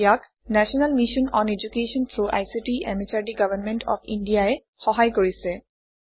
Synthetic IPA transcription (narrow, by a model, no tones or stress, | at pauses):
jak | nɛsɔnalmiʃɔnɔned͡ʑukesɔnt̪ʰɹuʔa̰jsiʈiɛ̰mit͡ɕaɹdiɡabʱanmɛntʰɔ̰pʰindijaɛ | xɔɦajkoɹisɛ